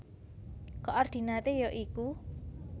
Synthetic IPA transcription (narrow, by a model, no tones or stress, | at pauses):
kɔʔɔrd̪̥i̤nat̪ejoʔiku